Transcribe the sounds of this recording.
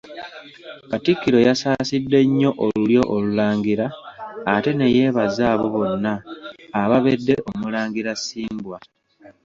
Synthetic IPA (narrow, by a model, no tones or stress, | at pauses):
katikːiɾo̞jasaːsidːe̞ɲːo̞ʔoluljo̞ʔolulaːŋɡiɾaː | te̞neje̞ːβazaːβo̞βo̞nːaː | βaβedːe̞ʔo̞mulaːŋɡiɾasiːmbwa